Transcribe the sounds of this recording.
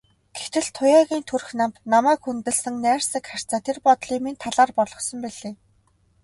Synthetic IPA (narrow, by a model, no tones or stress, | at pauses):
ɡ̥et̪ɘ̆ɮt̪ʰʊjaːɣʲiːnt̪ʰurxnamt̪namæːkxunt̪ɘ̆ɮsə̆ŋnæːrsɘ̆kχar̥t͡saːt̪ʰerpɔt̪ɮiːmint̪ʰaɮaːrpɔɮɞ̆χsɞ̆mpiɮeː